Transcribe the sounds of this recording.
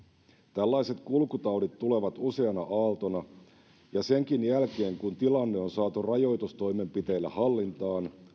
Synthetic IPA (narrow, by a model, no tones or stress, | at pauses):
t̪ælːæjse̞t̪kulkut̪ɑwdit̪t̪ːule̞ʋɑt̪use̞ɑnɑʔɑːlt̪onɑ | jɑse̞ŋkinjælke̞ːŋkunt̪ilɑnːe̞o̞nsɑːt̪urɑjo̞jt̪ust̪o̞jme̞mpit̪e̞ːlːæ̰hɑlːint̪ɑːn